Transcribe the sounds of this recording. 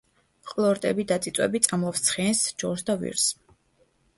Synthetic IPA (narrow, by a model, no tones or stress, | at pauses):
qʼlˠɔɾt̪ʼɛbid̪at̪sʼit̪sʼwɛ̰bit̪sʼamlˠɔfst̪sʰχiɛnsd͡ʒɔɾsd̪avḭɾs